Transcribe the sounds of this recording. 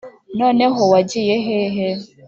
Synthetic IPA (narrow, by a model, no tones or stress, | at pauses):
nɔneɦʊwad͡ʒijeɦeɦe